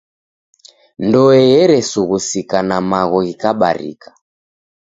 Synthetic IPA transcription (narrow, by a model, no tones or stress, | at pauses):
ndɔɛjɛɾɛsuɣusikanamaɣɔɣikaɓa̰ɾḭkḁ